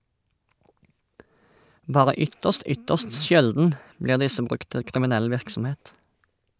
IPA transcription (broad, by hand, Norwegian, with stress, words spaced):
ˈbɑːʁə ˈʏtəst ˈʏtəst ˈʃɛldn̩ ˈbliːʁ ˈdɪsə ˈbʁʉkt ˈtɪ kʁɪmɪˈnɛl ˈʋɪʁksm̩ˌheːt